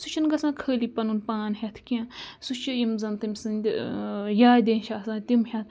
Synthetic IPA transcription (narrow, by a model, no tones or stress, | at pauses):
sut͡ʃʰinɡɐsãːkʰəːlipɐnunpaːnɦʲɐt̪ʰkiãsut͡ʃʰijimzɐnt̪ɨmsɨnd̪ʲjaːd̪ʲenʃʰaːsãːt̪imhʲɐt̪ʰ